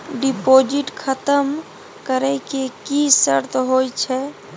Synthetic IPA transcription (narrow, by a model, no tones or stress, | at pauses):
ɖipod͡ʒiʈkʰət̪əm | kəɾɛkekisəɾt̪ɦojt͡ʃʰɛ